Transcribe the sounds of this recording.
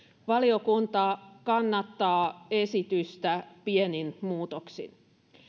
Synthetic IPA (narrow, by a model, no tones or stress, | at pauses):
ʋɑliokunt̪ɑkɑnːɑt̪ːɑːesit̪yst̪æpieninmuːt̪oksḭn